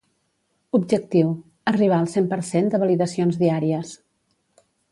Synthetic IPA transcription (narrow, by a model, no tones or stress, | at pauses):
ubʒək̚t̪iw | əriβ̞aəlˠsempəɾsend̪əβəliðəsionzðiaɾiəs